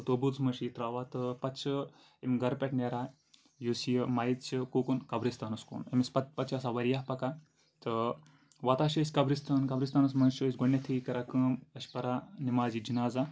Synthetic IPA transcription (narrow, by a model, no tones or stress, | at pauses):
t̪oːbusmɐnʃit̪ɾaːʋaːt̪ɨpɐtt͡ʃʰɨ | imɡɐɾpʲeʈnʲeɾaː | jusijmɐjit̪t͡ʃʰikukunkɐbɾist̪ɐnɨskṵːnimispɐpɐt͡ʃʰɐsaʋɐɾijaɦpɐka | t̪ɨ | ʋɐt̪aːʃɐːsʲkɐbɾist̪aːnkɐbɾist̪aːnɐs̬mɐnsʃusʲɡonʲːɐt̪ʰiːkɐɾakəːmɐʃpɐɾanimaːzid͡ʒinaːza